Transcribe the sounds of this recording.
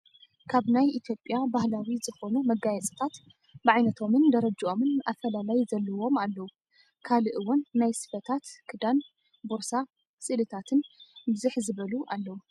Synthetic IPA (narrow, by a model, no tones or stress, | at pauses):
kʰaβnajit̪ʰjo̞pʼjabahlawizɨxo̞numɐɡajɛt͡sʼɐ̥t̪ʰat̪ | bɨʕajnɐt̪ʰo̞mɨnd̪ɐɾɐd͡ʒiʔo̞mɨnʔafɐlalajuzɐlːɐwo̞malːɐwu | kʰalɨʔɨwʊnːajsɨ̥fɐt̪ʰat̪kʰɨd̪an | boɾsa | sʼɨlɨt̪ʰat̪ʰɨnbɨzuħzɨβɐluʔalːɐwu